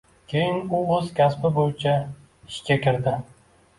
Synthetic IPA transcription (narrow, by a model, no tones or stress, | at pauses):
kʲʰe̞jɪnʊoz̥kʲʰaspɪbojɪt͡ʃʰa | ɪʃkʲakʲɪɾd̪ɪ